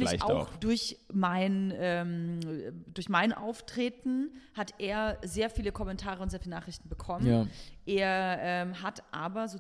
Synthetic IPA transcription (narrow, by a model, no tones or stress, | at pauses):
lɪla̰ʊ̰d̥ʊɐçmaɪnʔɛːm | dʊɐçmaɪnʔa̰ʊftʁ̥eːtn̩hatʔeːɐzeːɐfiːləkʰɔmɛntʰaːʁəʊntzeːɐfiːlənaːχʁ̥ɪçtn̩bəkʰɔmənaʔeːɐʔɛːmɦatʔa̰ːbɐzoː